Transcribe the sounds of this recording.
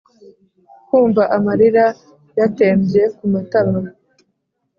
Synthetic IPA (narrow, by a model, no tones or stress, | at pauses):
kuːɱvaʔamaɾiɾa | jate̞ːmbje̞kumataβa